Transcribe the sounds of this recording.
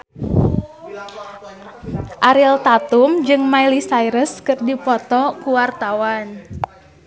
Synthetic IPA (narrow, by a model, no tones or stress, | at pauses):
ʔaɾilt̪at̪umd͡ʒɨŋmailisaiɾəskɨrdipɔt̪ɔkuwart̪awan